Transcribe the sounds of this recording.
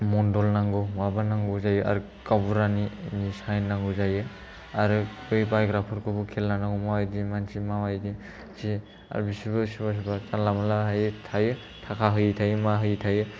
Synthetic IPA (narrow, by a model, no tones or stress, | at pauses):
mɔndɔlnaŋɡɔwabanaŋɡuzajɯʔa̰ɾɯ | kabuɾaninisajnːaŋɡuzajɯ | aɾɯɯjpajɡɾapʰɯɾkʰɯbɯkʰelnanaŋɡɔmawajdimansimawajdi | zi | a̰ɾbisibɯsibas̬ibat͡ʃanlamalaɦajɯtʰajɯ | tʰakʰaɦɯjtʰajɯmaɦɯjtʰajɯ